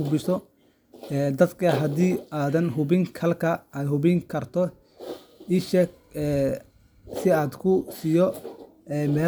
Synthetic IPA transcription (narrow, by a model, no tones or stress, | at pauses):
ʊbɪsɔ | ɛd̪ɐd̪kʰɐɦɐd̪iːaːðɐnɦʊβɪŋkʰɐlkʰɐʔɛjɦʊβɪŋkʰɐrt̪ʰɔ | ɪʃɛk | ɛː | sɪaːd̪kʰʊsijɔ | ɛːmɛː